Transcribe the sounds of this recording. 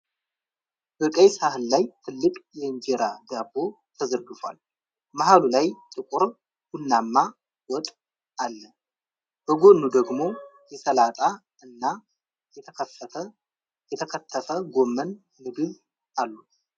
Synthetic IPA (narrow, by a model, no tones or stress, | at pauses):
bəkʼəjsahɨlːajt̪ʰɨlːɨkʼjɛɨnd͡ʒeɾaɡ̪abːo | t̪ʰəzəɾɡɨfwa̰l | maɦalulajt̪ʼɨkʼʊɾ | hunːamːa | wɔt̪ʼ | alːə | b̥əɡo̞nːud̪əɡmo̞jɛsəlat̪ʼa | ɨnːa | jɛt̪ʰəkʰəfə | jɛt̪ʰəkʰət̪ʰːəfəɡomːən | mɨɡ̪ɨβ | ʔalːu